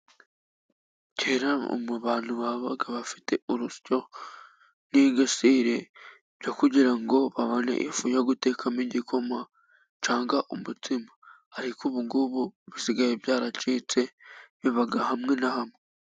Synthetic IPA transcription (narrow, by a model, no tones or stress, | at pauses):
ceːɾao̰muβaːn̥huβaβaɡaβafi̥te̞uɾusco̞ | niɡasiːɾe̞ | βɟokuɟiɾaŋɡo̞βaβo̞nḛʔifujaɡute̞ːkʰamiɟikʰo̞ma | t͡ʃaːŋɡaʔumutimaː | ɾikuβuŋɡuβuβisiɡajebjaːɾat͡ʃiːt͡se̞βiβaɡahamŋe̞nahamŋe